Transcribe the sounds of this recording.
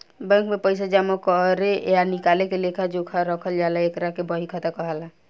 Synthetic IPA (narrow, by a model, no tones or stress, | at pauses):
bɛ̃ŋkmepəjsad͡ʒamakɔɾejanikalekelekʰad͡ʒokʰaɾəkʰəld͡ʒalaekɾakebəɦikʰat̪akɔɦəla